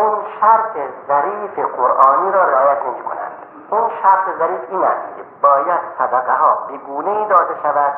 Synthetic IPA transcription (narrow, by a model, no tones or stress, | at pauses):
ʔunʃæɾt̪ʰezæɾiːfeqoɾʔɒːniːɾɒːɾeːjæt̪neʃkʰo̰næ̰nd̪̥ | ʔunʃæɾt̪ʰezæɾiːfiːnæst̪kʰʲebɒːjæd̪̥sæd̪æqæɦɒːbeɡuːneiːd̪ɒːd̪eʃævæd̪̥